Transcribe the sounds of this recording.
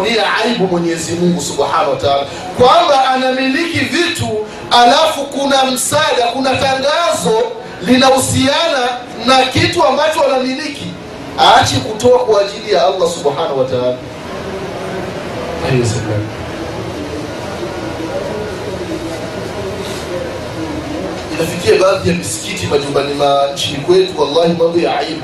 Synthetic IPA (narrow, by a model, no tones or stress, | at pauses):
niaaiɓumwɛɲɛɛzimuŋɡusuɓħanawataala | kwambaʔːnamilikivitu | alafukunam̩saɗakunataŋɡazɔ | linahusiana | nakituambat͡ʃɔanamiliki | aːt͡ʃɛkutɔakwaʄilijaalːasuɓħanahuwataaːla | hahɛjɛsɛma̰n | inafikiaɓaːðijamisi̥kitimaʄumbanimaɲ̩t͡ʃinikwɛtuwalːahimambɔjaa̰imu